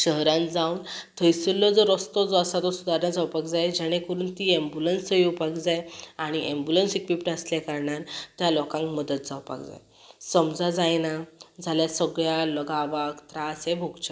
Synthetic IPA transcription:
ɕəɦɾãnd͡zaunt̪ʰəjsəlːɔd͡zɔɾɔst̪ɔd͡zɔasat̪ɔsud̪aɾnad͡zawpakd͡zajd͡ʑɛɽ̃ẽkəɾuːnt̪iẽmbulənsəjopakd͡zajaɽ̃iʔembulənsikʋipɾasljakəɾɳaɾt̪jalɔkãŋkməd̪ət̪̚d͡zawpa̰kd͡za̰j | səmd͡zad͡zajnad͡zʱaljasəɡɭjaləɡaʋakt̪ɾasẽbʱoɡt͡ɕə

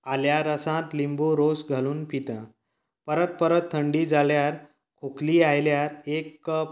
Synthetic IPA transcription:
aljaɾəsãt̪limboɾosɡʱaluːnpit̪ə̃ | pəɾət̪̚pəɾət̪ʰːəɳɖiːd͡zaljaɾ | kʰokliːajljaɾekːəp̚

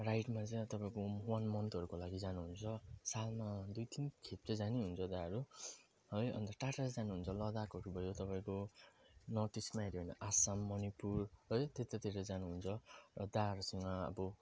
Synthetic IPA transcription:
rajʈmat͡sʌt̪ʌpaĩkoɦuwanmʌnt̪ʌɾukolaɡid͡zanuɦunt͡sʰʌsalmad̪ujt̪inkʰet̪̚t͡sʌd͡zaniɦunt͡sʰʌd̪aʌɾu | ɦʌjʌ̰nt̪ʌʈaʈasd͡zanuɦunt͡sʰʌlʌd̪akʌɾubʱʌjot̪ʌpãĩko | nʌt̪ismaiɾiɦʌjnʌʔasamːʌnipurɦʌjt̪et̪at̪iɾʌd͡zanuɦunt͡sʰʌrʌd̪aɦʌɾusʌŋɡʌʌ̰bʌ

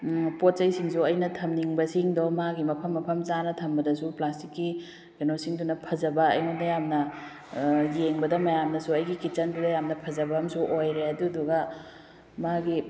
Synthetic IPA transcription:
pot̚ːɐjsiŋsuɐjnɐtʰɐmniŋbɐsiŋdomaɡimɐpʰɐmːɐpʰɐmzanɐtʰɐmbɐdɐsuplastikːi | ɡenosiŋdunɐpʰɐzɐbɐɐ̰jnudɐjamnɐ | jeŋbɐdɐmɐjamnɐsuɐjɡikit͡ʃɐndudɐjamnɐpʰɐzɐbɐɦɐmsuʔojɾeɐduduɡɐ | maɡi

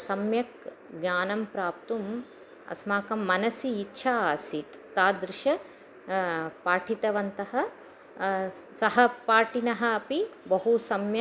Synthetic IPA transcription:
sɐmjɐk̚ | ɡɲaːnɐmpɾaːpt̪um | ɐ̰smaːkɐmːɐnɐsiːtːʃʰaaːsit̪ːaːd̪ɾɪʃɐ | paːʈʰit̪ɐʋɐnt̪ɐɦɐ̆ | sɐɦɐpaːʈʰinɐɦɐːpibɐɦusɐmjɐ

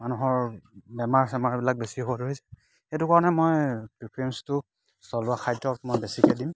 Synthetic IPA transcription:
manuɦɔɹbɛmaɹsɛmaɹɔbilak̚besiɔbɔtoɦisɛ̥ | xetukaɹɔnɛmojpɹipʰɹiɛmstʊ | sɔlʊaxʰajdɔkmɔjbesikɛdim

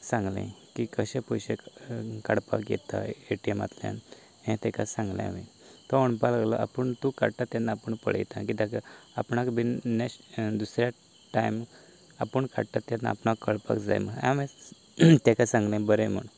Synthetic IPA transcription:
sãŋɡlḛ̃kikəɕẽpujɕekəɽpakjḛt̪a̰eʈiema̰t̪ljã̰n | ɦẽt̪ɛkasãŋɡlḛ̃mĩ | t̪ɔoɳpalaɡləʔa̰pəɳt̪ũkaɽt̪at̪janːaːpəɳpəɭ̤ə̰jt̪akit̪akaapɳakbinned̪usɾja | ʈajm | apəɳka̰ɽt̪at̪ːjat̪na̰apɳakəɽpa̰kd͡za̰jməa̰mẽ | t̪ɛkasãŋɡlẽbəɾem̤ə̰ɳ

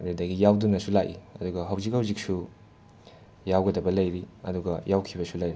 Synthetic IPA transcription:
dudɐɡijawdunɐsulakḭɐ̰duɡɐɦɐwzikhɐwzik̚su | jawɡɐdɐbɐlɐjɾiɐ̰duɡɐjawkʰibɐsulɐjɾi

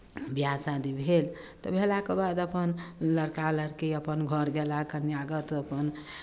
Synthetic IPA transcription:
bjasad̪ibʱel | t̪ɔbʱelakebad̪əpənləɽkaləɽkiəpənɡʱəɾɡelakənjaɡət̪əpən

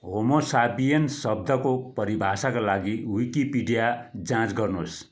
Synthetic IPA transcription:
ɦomosabijensʌb̚d̪ʱʌkopʌɾibʱasakolaɡiwikipiɖijad͡zãt͡sɡʌrnos

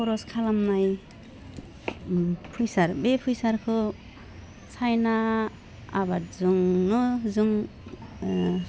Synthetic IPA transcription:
ɔɾɔskʰalamnaj | pʰujsaɾbepʰujsaɾkʰɯ | sʰajnaː | batzuŋnɔzuŋ

